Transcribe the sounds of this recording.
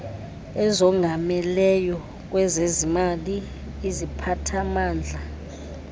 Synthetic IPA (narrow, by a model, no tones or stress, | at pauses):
ɛzɔŋʱamɛlɛjɔ | k̬ʼwɛzezimaliː | zipʰatʰamaːnd͡ɮʱa